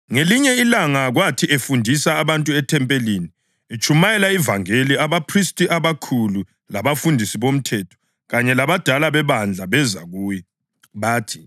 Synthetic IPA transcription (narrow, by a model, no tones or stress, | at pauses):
ŋeliɲɛilaŋaɣwatʰiʔefundʱisaːβantʼuɛtʰɛmpʼeliːni | et͡ʃʼumajɛlaivaŋeliaβapʰristʼiʔaβakʰulu | laβafundʱisiβom̩tʰɛtʰɔ̥ | ɣaɲɛlaβad̥ʱalaβɛβand͡ɮʱaβɛza̰ɣuːjɛ | βaːtʰi̥